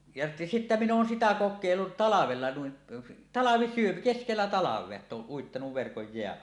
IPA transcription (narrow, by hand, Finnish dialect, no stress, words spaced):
jɑ sitːæ minˑ oːn sitæ kokˑeˑilːut tɑlɑʋelːɑ nuin tɑlɑʋisyøm keskelːæ tɑlɑʋˑeɑ etː oːʔ ʔuitːɑnuʋ ʋerkoj jeæʔ